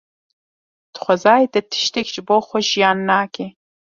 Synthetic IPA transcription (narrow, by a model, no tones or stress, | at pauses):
d̥χʷɔzaːjdɐtʰɨ̥ʃtʰɐkʲʒboχʷɔʒjaːnːaːkʲʰeː